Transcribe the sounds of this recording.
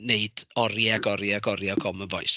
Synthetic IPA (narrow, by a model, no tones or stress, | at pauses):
neɨd̥ɔɾjaɡɔɾjaɡɔɾjaɡʰɔməvɔɨs